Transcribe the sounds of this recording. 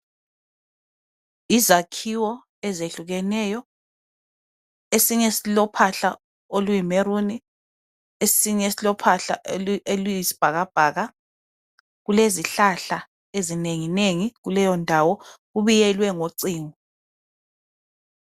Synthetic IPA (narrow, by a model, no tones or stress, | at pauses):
izakʰiwɔ | ɛzeɬuɣɛnɛjɔ | esiɲesilɔpʰaɬa | olujimeɾuni | esiɲesilɔpʰaɬa̰elujisi̥b̥ʱaɣab̥ʱaːɣa | ɣuleziɬaɬa | ezineŋineŋiɣulɛjɔndʱawɔɣuβijɛlwɛŋoǀiːŋɔ